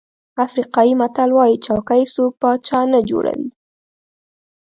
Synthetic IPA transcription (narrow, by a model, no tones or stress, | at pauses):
afɾiqɑjimat̪alwɑjit͡ʃɑwkajsupat͡ʃɑnad͡ʒo̰ɽa̰wḭ